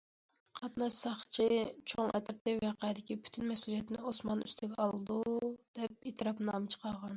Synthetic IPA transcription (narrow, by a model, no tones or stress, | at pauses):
qʰɑt̪nɑʃsɑχt͡ʃʰit͡ʃʰoŋɛ̰t̪ɪɾt̪ɪwæqʰɑjd̪ɪkʲipʰy̥t̪ʰynmɛsulijɛt̪ʰɪnɪosmɑny̰st̪ʰɪɡʲɛɑlˠɨd̪ud̪̥ɛp̚et̪ʰɾɑpnɨɑmɨt͡ʃʰə̥qʰɑʁɑn